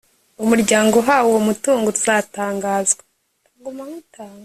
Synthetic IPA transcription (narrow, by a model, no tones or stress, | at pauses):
umuɾɟaːŋɡo̞ɦaːwuwomutuːŋɡoɾuzaːtaːŋɡaːzɡe | ɡumamutaːŋɡa